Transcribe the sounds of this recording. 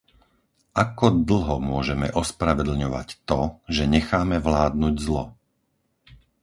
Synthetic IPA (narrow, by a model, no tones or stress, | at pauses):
ʔakɔd̪l̩ˠɦɔmʊɔʒɛmɛʔɔspɾaʋɛd̪l̩ɲɔʋa̰ct̪ɔʒɛɲɛxaːmɛʋlaːd̪nuɟzlɔ